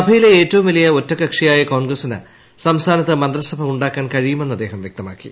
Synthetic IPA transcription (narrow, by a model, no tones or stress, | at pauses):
sɐbʱɐjileeːtːɐʋumʋilɐjɐo̞tːɐkːɐkʂijaːjɐkoːɳɡrɐsinɨ̰ | sɐmst̪ʰaːnɐt̪ːɨmɐnd̪rɐsɐbʱɐmuɳɖaːkːaːnkɐɻijumenːɐd̪ːeːɦɐmʋjek̚t̪ɐma̰ːkːḭ